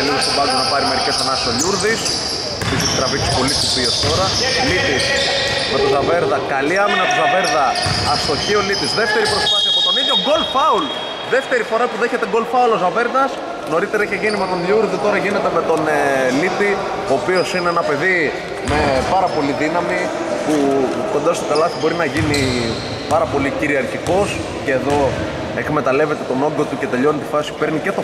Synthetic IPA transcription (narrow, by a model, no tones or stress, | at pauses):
liɣost̪obɐonɐpɐɾime̞ɾice̞senɐsio̞ʎuɾðis | episit̪i̥t̪ɾɐvik̪si̥po̞list̪istiɐst̪o̞ɾɐ | lip̪is | me̞t̪ozɐve̞ɾðɐkɐliɐminɐt̪uzɐve̞ɾðɐɐst̪o̞çio̞lip̪izðeft̪e̞ɾipɾo̞spaθiɐːpo̞t̪o̞niðʝo̞ɡo̞lfɐul | ðe̞ft̪e̞ɾifo̞ɾɐpuðe̞çe̞t̪eɡo̞lfɐulo̞zɐve̞ɾðɐs | no̞ɾit̪e̞ɾɐiçeʝinimet̪onðjuɾðit̪o̞ɾɐʝine̞t̪e̞me̞t̪o̞nlipi | o̞ːpio̞sineenɐpe̞ði | me̞pɐɾɐpo̞liðinɐmi | pu | ko̞nd̪ɐst̪okɐlɐt̪ibo̞ɾinɐʝini | pɐɾɐpo̞liciɾiɐɾciko̞s | ce̞ːðo̞ | ekme̞t̪ɐle̞ve̞t̪e̞t̪o̞no̞ŋɡo̞t̪uce̞t̪e̞ʎo̞net̪ifɐsi̥pe̞ɾnice̞t̪o